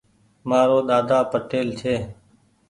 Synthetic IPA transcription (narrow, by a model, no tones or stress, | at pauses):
maːɾoːɗ̪aːd̪aːpəʈeːlt͡ʃʰeː